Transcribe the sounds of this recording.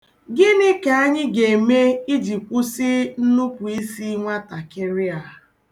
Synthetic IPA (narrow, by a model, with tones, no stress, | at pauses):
ɡɪ˦nɪ˦ke˨a˦ɲɪ˦ɡe˨e˨me˦i˦d͡ʒi˨kʷʊ˦sɪ˦n̩˦nʊ˦pʊ˨i˦si˦ŋʷa˦ta˨kɪ˦ɾɪ˦a˨